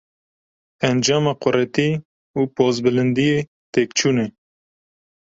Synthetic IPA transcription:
ɛnd͡ʒɑːmɑːqʊɾɛt̪iː | uːpoːzbɨlɨnd̪ijeː | t̪eːkt͡ʃʰuːnɛ

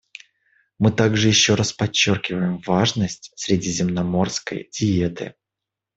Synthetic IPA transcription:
mɨt̪aɡʐɨjɪɕːo̞ɾaspɐt͡ɕːo̞rkʲɪvəjɪmvaʐnəsʲtʲsʲɾʲɪdʲizʲɪmnɐmo̞rskə̰jdʲɪet̪ɨ̰

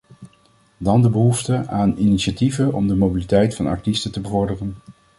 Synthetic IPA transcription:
dɑndəbəɦuftəaːniniʃativəɔ̰mdəmowbilitɛjtfɑnɑ̰ɹtistətəbəvɔɹdərən

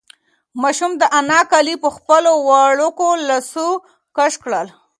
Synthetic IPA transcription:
mɑʃumd̪əʔanɑkalipəxpəlowɑɽukolasu | kaʃkɽəl

